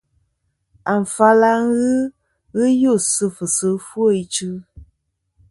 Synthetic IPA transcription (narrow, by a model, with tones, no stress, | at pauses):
a˨ɱ̩˨fa˦la˦ŋ˦ɣɨ˦ | ɣɨ˦jo˦˨sɨ˧fɨ˨sɨ˨˦fwo˦˨i˦t͡ʃɨ˦